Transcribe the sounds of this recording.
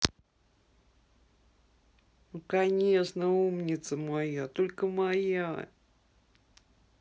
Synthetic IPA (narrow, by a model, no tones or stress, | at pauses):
nukɐnʲeʂnəumnʲɪt̪səmɐjat̪olʲkəmɐja